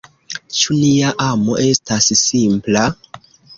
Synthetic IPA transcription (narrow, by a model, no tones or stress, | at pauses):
t͡ʃuniaʔamo̞ʔe̞stassimpla